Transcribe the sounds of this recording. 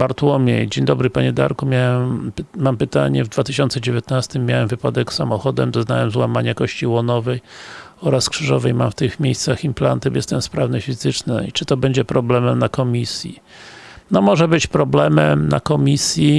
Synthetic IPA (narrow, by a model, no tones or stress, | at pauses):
baɾt̪wɔmʲjḛd͡ʑeɲd̪ɔbɾɘpaɲɛd̪a̰ɾkumʲjawɛmmampɘt̪a̰ɲɛ̰vd̪vat̪ɘɕɔnt̪sɛd͡ʑevʲjet̪nast̪ɘmʲːjawɛmvɘpad̪ɛksamɔxɔd̪ɛ̰md̪ɔznawɛmzwamaɲakɔɕt͡ɕiwɔnɔvɛjɔɾaskʂɘʐɔvɛjma̰mft̪ɘxmʲejst̪saximpla̰nt̪ɘbɛst̪ɛnspɾavnɨɕfʲizɘt͡ʂna̰it͡ʂɘt̪ɔbɛɲd͡ʑɛpɾɔblɛmɛmnakɔmʲisʲjḭ | nɔmɔʐɛbɘt͡ɕpɾɔblɛmɛmna̰kɔmʲisʲji